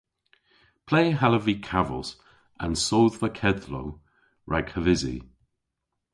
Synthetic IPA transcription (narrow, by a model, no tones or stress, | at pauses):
pʰl̥eːɦaləvikʰavə̰lˠs | ə̰̃nsoːðvəkʰɛdlo̰w | ɹʔaɡ̥həvɪzḭ